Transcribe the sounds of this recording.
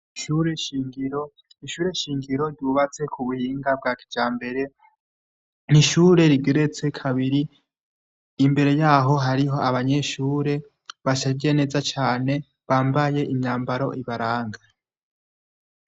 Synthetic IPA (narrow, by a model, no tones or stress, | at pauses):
iʃuɾeʃiːŋɡiɾo̞ | iʃuːɾe̞ʃiːŋɡiɾo̞ɾɟuːβat͡se̞kʰuβuhiːŋɡab̚ɡaːkʰi̥d͡ʒaːmbe̞ɾe̞ | niʃuːɾe̞ɾiɡeɾet͡se̞kʰaβiɾi | mbe̞ɾe̞jaːɦo̞ɦaɾiɦo̞aβaɲe̞ʃuːɾe̞ | βaʃaɟe̞ne̞zat͡ʃaːne̞ | βaːmbaje̞ʔimɲaːmbaɾo̞̰ʔiβaɾaːŋɡa